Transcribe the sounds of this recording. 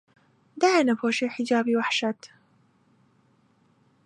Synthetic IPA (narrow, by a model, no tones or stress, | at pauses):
d̪aʕnafoːʃeħɪd͡ʒaːbiwaħʃat̪